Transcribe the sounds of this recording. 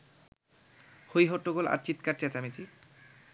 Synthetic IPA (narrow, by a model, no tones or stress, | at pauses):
hojɦoʈːoɡola̰ɾt͡ɕit̪kaɾt͡ɕet͡ɕamit͡ɕi